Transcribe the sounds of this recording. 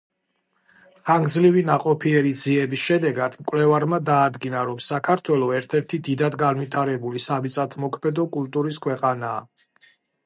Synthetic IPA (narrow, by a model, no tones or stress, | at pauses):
χaŋɡzlivinaqʼɔpʰiɛɾid̪ziɛbisʃɛd̪ɛɡad̪̥mkʼwlɛvaɾmad̪aːd̪ɡinaɾɔmsakʰaɾt̪ʰwɛlˠɔɛɾt̪ʰɛɾt̪ʰid̪id̪ad̪ɡanwit̪ʰaɾɛbulisamit̪sʼat̪ʰmɔkʰmɛd̪ɔkʼulˠt̪ʼuɾiskʰwɛqʼanaː